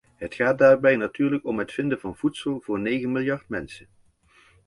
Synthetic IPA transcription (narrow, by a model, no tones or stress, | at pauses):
ɦətχaːt̚daːɹbɛjnatyːɹləkɔmɦətfɪndəvɑnv̥utsəlˠvʊːɹnejɣənmɪlˠjɑɹtmɛnsən